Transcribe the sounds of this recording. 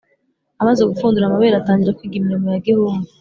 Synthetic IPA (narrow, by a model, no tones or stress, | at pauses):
amaze̞ɡufuːnduɾamaβeːɾataːɲɟiɾakwiːɡimiɾomujaɡehuːmu